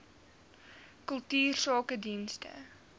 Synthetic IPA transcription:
kɵlˠtyːrsɑːkədinstə̰

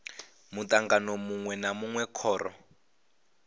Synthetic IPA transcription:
mutaŋɡanɔmuŋwɛnamuŋwɛkʰɔːrɔ̰

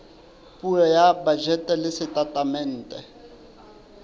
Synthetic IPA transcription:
pʼurɔjabad͡ʒɛtʼɛlɪsɪtʼatʼamɛn̩ːtʼɛ

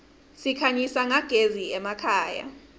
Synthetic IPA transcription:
sikʰaɲisaŋaɡ̥ʱeziɛmakʰaːja̰

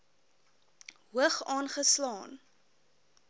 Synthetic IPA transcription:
ɦuəχɑːnχəslɑːn

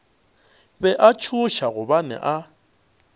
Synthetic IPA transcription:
bɛʔat͡ʃʰuʃaɣʊbanɛ̰ʔa

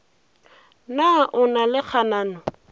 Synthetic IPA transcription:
naʔʊnalɪk͡xʰanaːnɔ

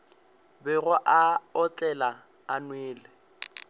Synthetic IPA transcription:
bɪɣʊʔaɔtʼɛlaː | nweːlɪ

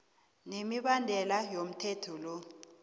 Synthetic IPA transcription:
nemiɓandʱɛlajom̩tʰɛtʰɔlɔ

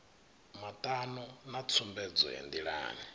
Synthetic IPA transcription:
matʼanɔnat͡sʰumbɛd͡zɔ̰ɦɛ̰ndiɺa̰ːni

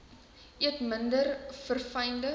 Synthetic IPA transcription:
iətməndərfərfɐjndə

